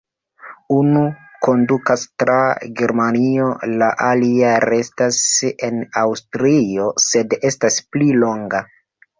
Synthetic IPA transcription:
unuko̞ndukastɾaɡe̞ɾmanio̞laʔaliaɾe̞stase̞nawstɾiose̞de̞stasplilo̞ŋɡa

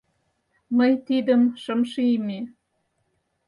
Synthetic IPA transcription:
məjt̪id̪əmʃəmʃiime

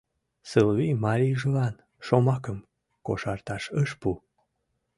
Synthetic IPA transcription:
sɨlβimɑɾʲiʒəlɑn | ʃomɑkəm | koʃɑrt̪ɑʃəʃpu

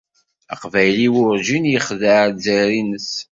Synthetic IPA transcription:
ə̰qvæjliwʊɾʒinjəχðəzæɾinəs

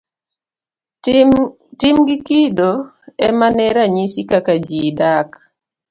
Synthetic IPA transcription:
timɡɪkido | ɛmanɛɾaɲisikakad͡ʒidak

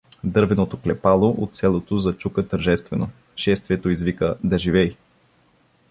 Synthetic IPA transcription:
d̪ɤɾvɛnot̪oklɛpalˠoʔot̪sɛlˠot̪ozɐt͡ʃukət̪əɾʒɛst̪vɛno | ʃɛst̪viɛt̪oizvikəd̪ɐʒivɛj

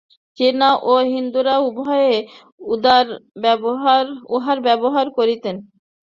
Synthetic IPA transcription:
t͡ɕiɾnaʔoɦind̪uɾaubɦɔje | ud̪aɾbɛbɦaɾuɦaɾbɛboɦaɾkoɾit̪en

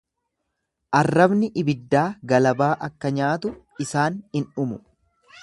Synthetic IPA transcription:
ʔɐrːɐbnɪʔɪbɪd̪ːaːɡɐlɐbaːʔɐkːɐɲaːt̪ʊ | ɪsaːnhɪnʊmʊ

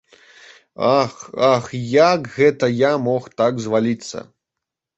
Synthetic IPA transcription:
axaxjakɣɛt̪ɐjamɔxt̪aɡzvalʲit̪sːɐ̰

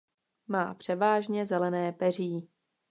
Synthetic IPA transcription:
maːpr̝̥ɛvaːʒɲɛzɛlɛnɛːpɛr̝iː

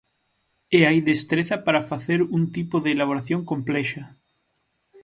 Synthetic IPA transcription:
eajðest̪ɾeθɐpaɾafaθeɾunt̪ipoðeːlaβ̞oɾaθjõŋkomplɛʃɐ

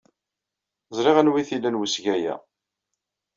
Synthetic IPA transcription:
zˤɾɪʁænwiθilːænwəsʝæjæ̰

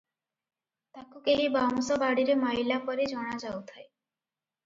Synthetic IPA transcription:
t̪akukeɦibamusobaɽiɾemajlapɔɾed͡ʑɔɽ̃ad͡ʑawt̪ʰae

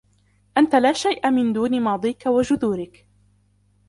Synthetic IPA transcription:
ʔant̪alaːʃajʔamɪnd̪uːnɪmɑːd̪ˤiːkawad͡ʒʊðuːɾɪk

